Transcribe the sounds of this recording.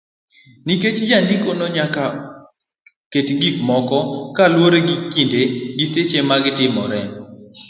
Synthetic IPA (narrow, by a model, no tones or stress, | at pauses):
niket͡ʃd͡ʒandikonoɲaka | ketɡikmɔkɔkalwoɾeɡikːindeɡiset͡ʃemaɡɪtɪmɔɾɛ